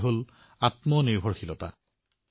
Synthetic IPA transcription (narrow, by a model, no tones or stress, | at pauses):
ɦol | atmɔniɹbʱɔɹxilɔta̰